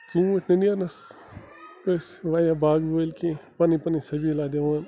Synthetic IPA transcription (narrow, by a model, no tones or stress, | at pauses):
t͡sũːtʰnɐniɐnɐs | kosʋaːjãbaːɡboːlkĩpɐnipɐnisɐbilaːd̪eʋaːn